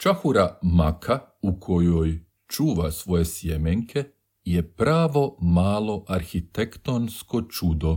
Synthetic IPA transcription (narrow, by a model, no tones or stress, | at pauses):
t͡ʃaxuɾamakʰaukʰo̞joj | t͡ʃuːʋasʋo̞jesjemeŋkʰe̞ | jepɾaːʋo̞maːlo̞ʔaɾxit̪ekt̪onsko̞t͡ʃud̪o